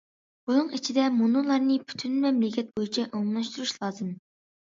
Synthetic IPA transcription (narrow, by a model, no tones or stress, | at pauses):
bunɨŋit͡ʃʰid̪ɛmunulˠɑɾnɨpʰy̥t̪ʰynmɛmlɪkʲɛt̪̚bojit͡ʃʰɛʔoŋlˠɑʃt̪uɾuʃlˠɑːzɨm